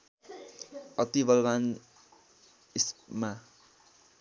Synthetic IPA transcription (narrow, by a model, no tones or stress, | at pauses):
ʌt̪ibʌlban | isma